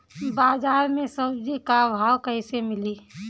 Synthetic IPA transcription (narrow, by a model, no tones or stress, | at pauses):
baːzaːɾmẽsəbd͡ʒikabʱaːwkəɪsemɪli